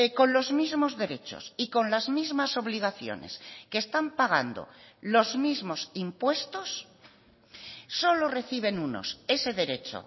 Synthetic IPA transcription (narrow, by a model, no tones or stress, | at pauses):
ko̞nlo̞zmizmo̞zðe̞ɾe̞t͡ʃo̞̰siko̞nlazmizmaso̞β̞liɣ̞aθjo̞̰ne̞̰skeːst̪ampaɣ̞a̰nd̪o̰lo̞zmizmo̞simpwest̪o̞s | o̞lo̞re̞θiβ̞e̞nuno̞̰se̞se̞ðe̞ɾe̞t͡ʃo̰